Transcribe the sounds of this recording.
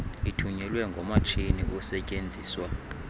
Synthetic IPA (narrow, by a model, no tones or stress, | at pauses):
itʰuɲɛlwɛŋɡʱɔmat͡ʃʰiniʔusɛcʼend͡zʱiːswa